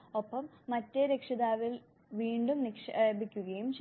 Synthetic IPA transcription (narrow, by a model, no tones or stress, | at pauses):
opːɐmːɐtːeɾekʂɐðaːʋil | ʋiːɳɖumnikʂɐebikʲːuɣɐjumt͡ɕ